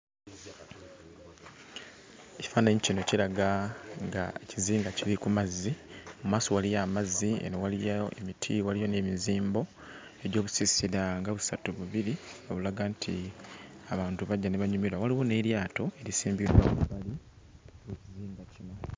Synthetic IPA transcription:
eci̥faːnaɲicino̞cilaɡaŋɡa̰eciziːŋɡaciɾikumazːimumwaːso̞walijaːmazːiḛnowalijaḛmitʰiwalijo̞ne̞ːmiziːmbo̞ | e̞do̞ːβusisiɾaŋɡaβusatuβuβiɾioβulaɡaːntʰi | aβaːntuβaɟːane̞βaɲumiɾwawaliwo̞ne̞ːɾjaːto̞e̞ɾisiːmbiɾwaβuβali | weciziːŋɡacino

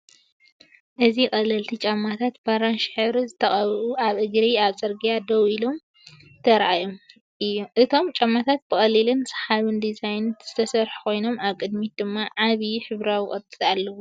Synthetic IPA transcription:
ʔɨzixʼɐlɐlt̪ʰit͡ʃʼamːat̪ʰat̪baɾanʃħɨβɾzɨt̪ʰːɐχʼɐβʔuaβʔɨɡɾiaβt͡sʼɐɾɡijad̪ɐwilo̞m | t̪ʰɐɾʔajom | ʔɨjoʔɨt̪ʰo̞mt͡ʃʼamːat̪ʰat̪̚bɨxʼɐlilɨnsɨ̥ħaβɨnd̪izajnɨt̪z̥ɨt̪ʰɐsɐɾħu̥kʰo̞jno̞maβkʼɨd̪mid̪ɨmːaʕaβiħɨβɾawixʼɐt̪ʼɨt̪alːɐwu

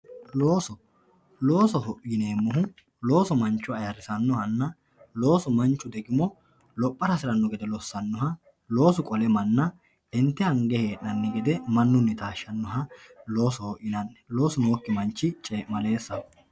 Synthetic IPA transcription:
loːsɔ | lo̞ːsɔɦɔʔjɪne̞ːmːɔɦʊ | lo̞ːsɔmɐnt͡ʃːʊɐjɐɾɪsɐnːɔhɐnːɐ | lo̞ːsɔmɐnt͡ʃːʊd̪ɛɡɪmɔ | lɔpʼːɐɾɐsɪɾɐnːɔɡɛd̪ɛlɔsːɐnːɔhɐ | lo̞ːsɔkʼɔlɛmɐnːɐ | ɪnt̪ːɪɐŋɡɛheːʔnɐnːɛɡɛd̪ɛmɐnːʊnːɪt̪aːʃːɐnːɔɦɐlo̞ːsɔhɔʔjɪnɐnːɛlo̞ːsɔnoːkːɪmɐnt͡ʃːɪt͡ʃʼeːmɐle̞ːsːɐ

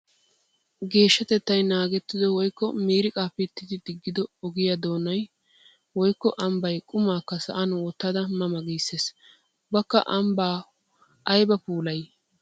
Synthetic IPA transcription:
ɡe̞ːʃːɐt̪ɛt̪ːɐjnaːɡɛt̪ːɪd̪ɔwɔjkːɔmiːɾɪkʼaːpɛt̪ːɪd̪ɪd̪ɪɡːɪd̪ɔɔɡɪjad̪o̞ːnɐj | wɔjkːɔʔɐmbɐjkʼʊmaːkːɐsɐ̰ʔɐnwɔt̪ːɐd̪ɐmɐmɐɡiːsːeːs | bɐkːɐ̰ʔɐmbaː | ʔɐjbɐpuːlɐj

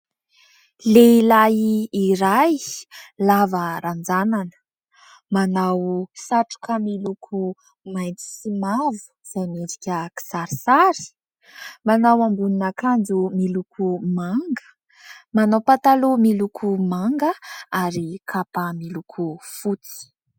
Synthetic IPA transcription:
leilajiːɾajlavəɾand͡zananə̥ | manawsaʈ͡ʂu̥kəmilukʰu | majnt͡si̥simavu̥z̥ajmed͡zikʲəki̥saɾisaɾi̥ | manawambuninəkand͡zumilukʰumaŋɡə̥ | manawpat̪alomilukʰumaŋɡəaɾikʰapəmilukʰufut͡si̥

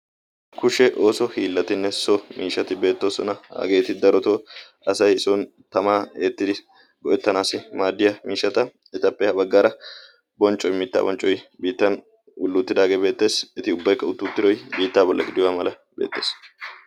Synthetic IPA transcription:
kʊʃɛʔo̞ːsɔhiːlːɐt̪ɪnːɛsɔmiːʃːɐt̪ɪbe̞ːt̪ːo̞ːsɔnɐha̰ɡe̞ːt̪ɪd̪ɐɾɔt̪oː | ɐsɐjɪsɔn | t̪ɐmaːeːt̪ːɪd̪ɪ | ɡɔʔɛt̪ːɐnaːsɪmaːd̪ːɪjɐmiːʃːɐt̪ɐ | ɪt̪ɐpʼːɛhɐbɐɡːaːɾɐ | bɔnt͡ʃʼːɔjmɪt̪ːa̰ːbɔnt͡ʃʼːɔjbiːt̪ːɐn | ʊlːʊt̪ːɪd̪aːɡe̞ːbe̞ːt̪ːe̞ːsɛt̪ɪʊbːɐjkːɐʊt̪ːuːt̪ːɪd̪ɔjbiːt̪ːaːbɔlːʔɐ̰ɡɪd̪ɪwaːmɐlɐ | bḛːt̪ːe̞̰ːs

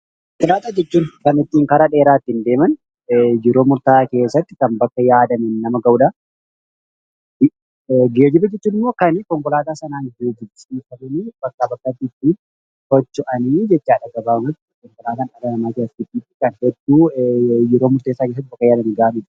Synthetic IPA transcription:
kɪlaːt̪ad͡ʒɛt͡ʃːuːnkɐnɪt̪ːiːŋkɐɾaᶑe̞ːɾaːt̪ːɪnd̪e̞ːmɐn | jɛɾo̞ːmʊɾt̪aːke̞ːsːɐt̪ːɪkɐmbɐkːɐjaːd̪ɐmɛnnɐmɐɡɐʔʊᶑɐ | ɡe̞ːd͡ʒɪbɐd͡ʒɛt͡ʃːuːnɪmːo̞ːkɐnkɔŋkʊlaːt̪aːsɐnaːŋɡeːd͡ʒɪbsʼiːfɐmɛniːb̥ɐkːaːbɐkːɐt̪ːiːt̪ːiːn | hɔt͡ʃːʊʔɐniːd͡ʒɛt͡ʃːaːᶑɐɡɐbaːmɐt̪ː | kɔŋkʊlaːt̪aːnɐɡɐnɐnaːkeɐt̪ːɪt̪ːiːt̪ːɪkʼɐnhɛd̪ːuːjɛɾoːmʊɾt̪eːsaːkes̬ɐt̪̚ːbɐkːɐjaːd̪ɐmɛɡaːmɪn

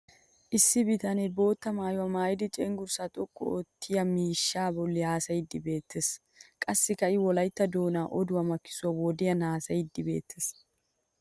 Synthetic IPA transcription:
ʔɪsːɪbɪt̪ɐnɛbo̞ːt̪ːɐmaːjʊwɐmaːjɪd̪ɪt͡ʃʼɛŋɡʊɾsat̪ʼɔkʼːʊɔ̰t̪ʰːɪjɐmiːʃːaːbɔlːɪhaːsɐjɪd̪ːɪbe̞ːt̪ːes | kʼɐsːɪkɐɪwɔlɐjt̪ːɐd̪oːnaːʔɔd̪ʊwɐmɐkːɪ̥sʊwɐwoːd̪ɪjɐnaːsɐjɪd̪ːɪbe̞̰ːt̪ʰːes

